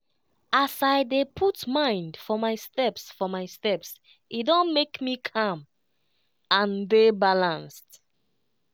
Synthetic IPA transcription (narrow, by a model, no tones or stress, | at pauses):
asaɪdepʰutmãɪ̃ndfɔmaɪstɛpsfɔmaɪstɛps | ʔidõnmekmikʰʌ̃m | ãndebalãnst